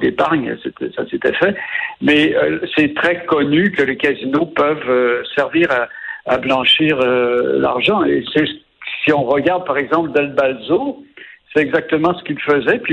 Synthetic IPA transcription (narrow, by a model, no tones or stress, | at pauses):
d̪epaʁɲ̰sɛt̪ɛsaset̪ɛ̰fɛmɛøsɛt̪χɛkɔnykəlekazinopœvøsɛʁviʁa̰ːblɑ̃ʃiːʁøla̰ʁʒɑ̃ḛsɛs | siɔ̃ʁəɡaʁd̪̚paʁɛɡzɑ̃pləd̪albalzosɛt̪ɛɡzak̚t̪əmɑ̃sə̥kʲilfəzɛpɥi